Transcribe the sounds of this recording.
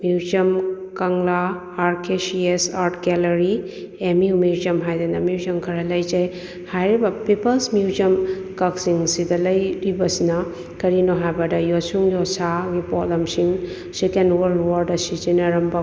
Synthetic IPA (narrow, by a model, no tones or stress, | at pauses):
muuzɐmkɐŋlaː | ɾkesiesaɾʈkelɐɾi | emiumiɾzɐmɦajdɐnɐmiwzɐmkʰɐɾɐlɐjd͡ʒɐj | hajɾibɐpipɐlsmjuzɐmkɐksiŋsidɐlɐjɾibɐsinɐ | kɐɾinoɦajbɐdɐjɔsuŋjɔsaɡipɔlɐmsiŋ | sikenwɐɾlwaɾdɐsizinɐɾɐmbɐ